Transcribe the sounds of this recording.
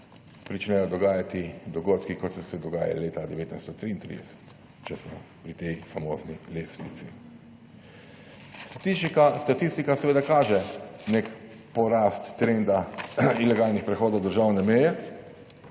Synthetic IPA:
pɾit͡ʃnɛjɔd̪ɔɡaːjat̪id̪ɔɡoːt̪kikɔt̪sɛsɛd̪ɔɡaːja̰leːt̪ad̪ɛʋeːt̪najst̪ɔt̪ɾiːnt̪ɾḭd̪ɛsɛ̥t̪ | t͡ʃɛsmɔ̰ | pɾit̪ɛjfamo̰ːznileːsnḭt̪sḭ | st̪ḁt̪iʃikast̪at̪ist̪ikasɛʋeːd̪akaːʒɛnek | pɔɾaːst̪ːɾend̪ailɛɡaːlnixpɾɛxoːd̪ɔwd̪əɾʒaːwnɛmɛjɛ

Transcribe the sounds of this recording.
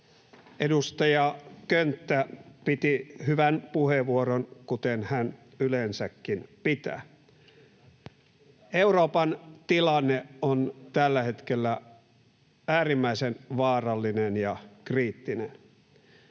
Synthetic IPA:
ʔedust̪ɑjɑkønt̪ːæpit̪ihyʋænpuheʋuoronkut̪enhæn | ylensækːinpit̪æ̰ː | euroːpɑnt̪ilɑnːeont̪ælːæhet̪kelːæ | æːrimːæisenʋɑːrɑlːinenjɑkriːt̪ːinḛn

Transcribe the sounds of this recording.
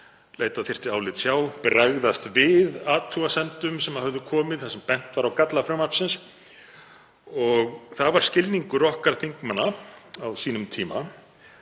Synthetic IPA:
leːjt̪aθɪr̥t̪ɪaːwlɪt̪sjaːwpɾaɣðast̪vɪðaːt̪ʰːuasɛnt̪ʏmsɛmaðhœvðʏkʰɔːmɪðθasɛmpɛn̥t̪vaɾawkat̪lafɾœmapsɪns | ɔɣθavaɾ̥scɪlniŋkʏɾɔhkaɾ̥θiŋkmanːaawsiːnʏmt̪ʰiːma

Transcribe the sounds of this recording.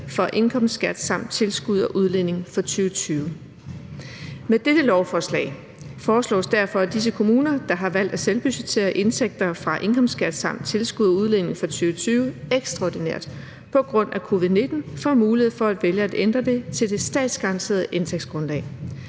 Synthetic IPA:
fɒ̽ʔe̝nkʰɒ̽m̰ssɡ̥æd̥sɑ̈m̰d̥̚t͡sʰe̝lsɡ̥uð̞̰ˠɒʔuð̞ˠlen̰e̝ŋfɒ̽t͡sʰyːʊət͡sʰyːʊə | med̥ed̥əlɒʊfɒslɛ̰ːɪ | fɒːslɔ̰ːsd̥æɐfɒ̽æd̥is̬əkʰo̝muːnɐd̥ɑ̈ɦɑ̈ʋæl̰d̥æselb̥yset͡sʰe̝̰ːɐʔe̝nsʰeɡ̥̚d̥ɐfʁɑ̈ʔe̝nkʰɒ̽m̰sɡ̥æd̥sɑ̈m̰d̥t͡sʰelsɡ̥uðˠɒuð̞ˠlen̰e̝ŋfɒ̽t͡sʰyːʊət͡sʰyːʊəeɡ̥sd̥ʁɑɒ̰dineɐ̰d̥ | pʰɒ̽ɡ̥ʁɔ̽n̰ækʰo̝ʋiðˠne̝d̥n̩fɒmuːlihe̝ð̰ˠfɒ̽æd̥ʋeljəæd̥end̥ʁɐd̥e̝t͡sʰe̝ld̥e̝sd̥ɛ̰ːd̥sɡ̥ɑʁɑ̈nt͡sʰe̝̰ɐðˠʔe̝nt͡sʰeɡ̥̚sɡ̥ʁɔ̽nlɛ̰ː

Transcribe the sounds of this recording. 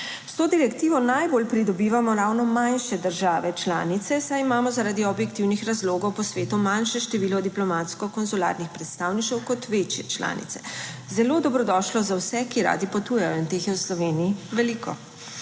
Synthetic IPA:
st̪oːd̪iɾɛkt̪iːʋɔnajboːlpɾid̪ɔbiːʋamɔɾawnɔmanʃɛd̪əɾʒaːʋɛt͡ʃla̰ːnit̪sɛsajimaːmɔzaɾaːd̪iɔbjɛkt̪iwnixɾazloːɡɔwpɔsʋeːt̪umanʃɛʃt̪ɛʋiːlɔd̪iplɔmaːt̪skɔkɔnzula̰ɾnixpɾɛt̪st̪awniʃɛwkɔt̪ʋet͡ʃjɛt͡ʃla̰ːnḭt̪sɛ̥zɛloːd̪ɔbɾɔd̪ɔʃlɔzawsɛkiɾa̰ːd̪ipɔt̪uːjajɔint̪exjɛwslɔʋeːniːʋɛlikɔ̰

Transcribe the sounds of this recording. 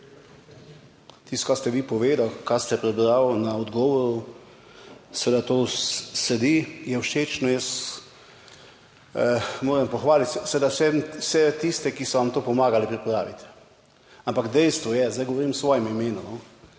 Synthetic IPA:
t̪ist̪kast̪ɛʋiːpɔʋeːd̪awkast̪ɛpɾɛbɾawnaɔd̪ɡɔːʋɔɾu | sɛʋed̪at̪oːsɛd̪ijɛwʃeːt͡ʃnɔjɛs | moːɾɛmpɔxʋaːlit̪sɛʋed̪awsɛmwsɛt̪ist̪ɛkisɔʋamt̪oːpɔmaːɡalipɾipɾaːʋit̪ɛ | ampakd̪ɛjst̪ʋɔjɛzd̪ajɡɔʋɔɾimsʋɔːjɛmimeːnɔnɔ

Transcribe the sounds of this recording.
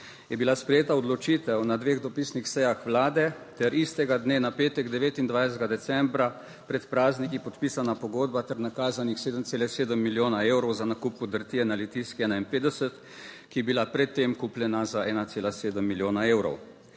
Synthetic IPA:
jɛbilaspɾɛjeːt̪aɔd̪lɔt͡ʃiːt̪ɛwnad̪ʋeːɣd̪ɔpiːsnixsɛjaxʋlaːd̪ɛ | t̪ɛɾist̪ɛɡad̪neːnapeːt̪ɛɡd̪ɛʋeːt̪ind̪ʋajsɛt̪ɡad̪ɛt̪sɛmbɾa | pɾɛt̪pɾaːznikipɔt̪piːsanapɔɡoːd̪bat̪ɛɾnakaːzanixseːd̪əmtseːlɛseːd̪əmːiljoːnaewɾɔwzanakupːud̪əɾt̪iɛnalit̪iskɛːnainpeːd̪ɛsət̪ | kijɛbilapɾɛt̪ːemkuplɛnazaʔɛːnat̪seːlaseːd̪əmːiljoːnaeːwɾɔ̰w

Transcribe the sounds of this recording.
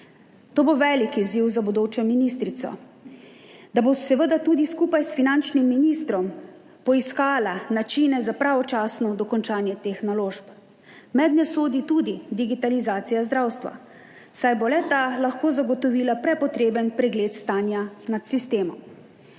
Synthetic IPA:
t̪oːboʋɛːlikiziwzabud̪oːt͡ʃɛminist̪ɾit̪sɔ̰ | d̪abosɛʋəd̪at̪uːd̪iskupajsfinant͡ʃnimːinist̪ɾɔm | pɔiskaːlanat͡ʃiːnɛzapɾaʋɔt͡ʃaːsnɔd̪ɔkɔnt͡ʃaːnjɛt̪eːxnaloːʃp | mɛd̪nɛsoːd̪it̪ud̪id̪iɡit̪alizaːt̪sijazd̪ɾawst̪ʋa̰ | sajbolɛt̪alaxkoːzaɡɔt̪ɔʋiːlapɾɛpɔt̪ɾeːbənpɾɛɡleːt̪st̪aːnjanat̪sist̪eːmɔm

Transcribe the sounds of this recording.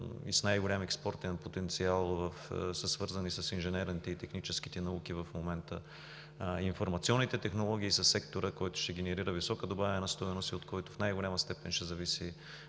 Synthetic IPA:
ḭsnajɡʊlʲamɛkspɔɾt̪ɛnpot̪ɛnt̪sialˠvɐfsɐsvɤɾzɐnisɐsinʒɛnɛɾnit̪ɛit̪ɛxnit͡ʃɛsk̟i̥t̪ɛnɐuk̟ivɐfmomɛnt̪ə | infoɾmɐt̪siɔnːit̪ɛt̪ɛxnolˠɔɡ̟iːsɐsːɛkt̪oɾəkɔjt̪ʊ̥ʃɛɡɛnɛɾiɾəvisɔkəd̪obavɛnɐst̪ɔɛnost̪iot̪kɔjt̪ʊfnajɡʊlʲaməst̪ɛpɛnʃɛzɐvisi

